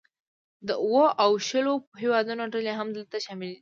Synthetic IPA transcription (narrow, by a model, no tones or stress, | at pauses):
d̪əuwəʔawʃəlohewɑd̪unoʈəleɦamd̪əlt̪aʃɑmɪld̪i